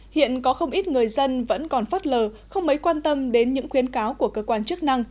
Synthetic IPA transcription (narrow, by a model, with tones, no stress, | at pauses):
hḭ˧˨ənkɔ˨˦xə˧wŋ͡mʔi˦˥t̚ŋɨ˨˩əjzə˧nvə̰˧˥nkɔ˨˩nfaː˦˥t̚ləː˨˩ | xə˧wŋ͡mmə˨˦jkwaː˧nt̪ə˧mɗe˨˦nɲɨ̰˧˥ŋxwi˨˦ənkaː˨˦wku˧˩əkəː˧kwaː˧nt͡ɕɨ˦˥ək̚na˧ŋ